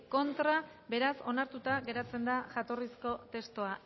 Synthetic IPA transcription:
ko̞nt̪ɾa | be̞ɾaso̞naɾt̪ut̪aɣe̞ɾat͡se̞nd̪aʝat̪o̞risko̞t̪e̞st̪oa

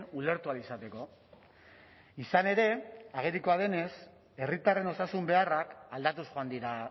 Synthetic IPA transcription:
nule̞ɾt̪ualisat̪e̞ko̞ | isane̞ɾe̞aɣ̞eɾiko̞aðe̞ne̞s | e̞rit̪are̞no̞sasumbe̞arakald̪at̪usʝoand̪iɾa

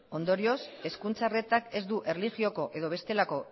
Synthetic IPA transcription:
o̞nd̪o̞ɾio̞se̞skunt͡sare̞t̪ake̞zd̪uʔe̞rliʝio̞ko̞ʔe̞ðo̞β̞e̞st̪e̞lako̞

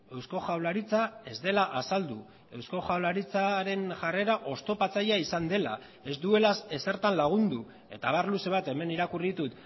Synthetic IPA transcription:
e̞wsko̞ʝawlaɾit͡sae̞zd̪e̞laʔasald̪u | e̞wsko̞xawlaɾit͡saɾe̞nʝare̞ɾaʔo̞st̪o̞pat͡saʎaisand̪e̞la̰ | e̞zd̪ue̞lasese̞ɾt̪anlaɣ̞und̪u | e̞t̪aβarluse̞β̞at̪e̞me̞niɾakurit̪ut̪

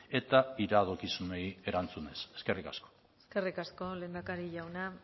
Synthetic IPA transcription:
e̞t̪aiɾaðo̞kisune̞je̞ɾant͡sune̞se̞ske̞rikasko̥ | eske̞rikasko̞le̞ːnd̪akaɾiʝawna

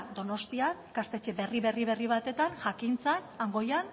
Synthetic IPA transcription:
d̪o̞no̞st̪iankast̪e̞t͡ʃeβe̞riβe̞riβe̞riβ̞at̪e̞t̪aŋʝakint͡sanaŋɡo̞jan

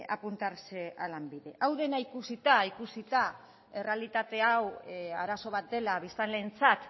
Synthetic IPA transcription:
a̰punt̪aɾsealambiðe̞ʔawðe̞naikusit̪aikusit̪a | e̞re̞alit̪at̪e̞awaɾaso̞β̞at̪̚d̪e̞laβist̪anle̞ːnt͡sat̪

